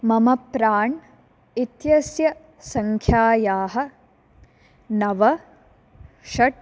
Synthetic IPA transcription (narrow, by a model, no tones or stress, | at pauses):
mɐmɐpɾaːɳ | it̪jɐsjɐ | sɐŋkʰjaːjaːɦɐ̆ | nɐʋɐ | ʃɐʈ̚